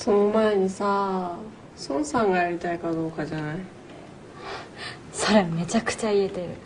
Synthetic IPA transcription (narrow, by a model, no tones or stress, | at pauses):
so̞nomaeɲ̟isa | sõñsãŋɡajaɾʲit̪aikad̪o̞ːkad͡ʑanai | so̞ɾe̞me̞t͡ɕakɯ̟̥t͡ɕaie̞t̪e̞ɾɯ̟